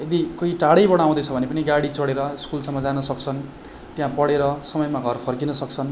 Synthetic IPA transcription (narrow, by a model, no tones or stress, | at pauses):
ed̪ikoiʈaɽʌjbʌɽ̃aw̃d̪ʌt͡sʰʌbʱʌnepʌniɡaɽit͡sʌɽeɾʌskulsamːʌd͡zanʌsʌk̚t͡sʰʌn | t̪jãpʌɽeɾʌsʌmʌjmaɡʱʌrpʰʌrkinʌsʌkt͡sʰʌn